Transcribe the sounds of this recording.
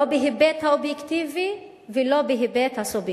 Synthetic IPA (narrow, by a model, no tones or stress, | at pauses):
obeɦibɛt̪haobjɛkt̪ivi | velobeɦibɛt̪hasub